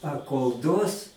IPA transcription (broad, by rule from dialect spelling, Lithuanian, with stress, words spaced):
ɐ koːlˠ ˈduɔs